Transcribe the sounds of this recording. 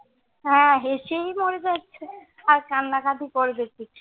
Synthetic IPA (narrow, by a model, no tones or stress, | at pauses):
ɦɛ̃ɦeʃejmoɾed͡ʑaːt͡ɕʰe | aɾkanːakʰat̪ikoɾbet̪i